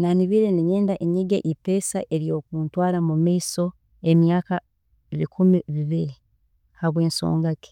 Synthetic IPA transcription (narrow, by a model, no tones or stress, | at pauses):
naniβiːɾeniɲeːndaʔeɲiɡeʔipe̞saʔe̞ɾjo̞ːkuːntwaːlamumaiso̞ | e̞mjaːka | βikʰumiβiβiɾi | haβwe̞ːnso̰ːŋɡake̥